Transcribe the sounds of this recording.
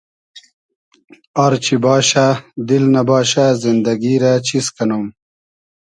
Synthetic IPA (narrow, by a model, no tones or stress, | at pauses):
ɐɾt͡ɕibɑːɕad̪ilnɐbɑːɕazind̪ɐɡiɾat͡ɕiskɐnom